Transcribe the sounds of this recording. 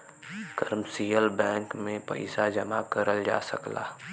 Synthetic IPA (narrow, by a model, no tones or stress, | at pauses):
kəɾmsiːjəlbɛ̃ːŋkmẽpɐ̰ɪsad͡ʒɐmakəɾəld͡ʒa̰ːsəkla̰ː